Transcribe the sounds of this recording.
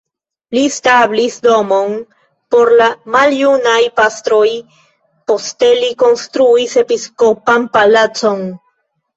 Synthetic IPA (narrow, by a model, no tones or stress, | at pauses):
listablisdo̞mo̞n | po̞ɾlamaljunajpast̪ɾo̞j | po̞steliko̞nstɾuise̞pisko̞panpalat͡so̞n